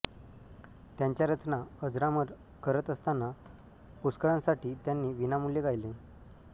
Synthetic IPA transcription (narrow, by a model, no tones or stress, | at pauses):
t̪jãɲt͡ɕjaɾət͡snaəd͡zɾaməɾ | kəɾət̪əst̪anːa | puskəɭãsaʈiːt̪janːiːʋinamuljeɡʱajle